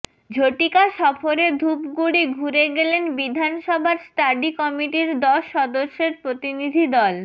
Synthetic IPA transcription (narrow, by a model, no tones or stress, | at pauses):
d͡ʑʱoʈikaʃɔfoɾed̪ʱupɡuɽiɡʱuɾeɡelenbid̪ʱanʃɔbʱaɾsʈaɖikɔmiʈiɾd̪ɔʃːɔd̪oʃːeɾpɾot̪inid̪ʱid̪ɔl